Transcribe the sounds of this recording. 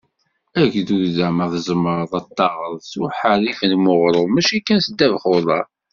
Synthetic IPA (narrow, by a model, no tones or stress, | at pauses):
æʝðuɾðæməðzəmːəɾˤðˤɑt̪ˤːɑʁəɾˤsuħəɾifənmʊʁɾˤomæʃikːænsd̪ːævχoðˤɑ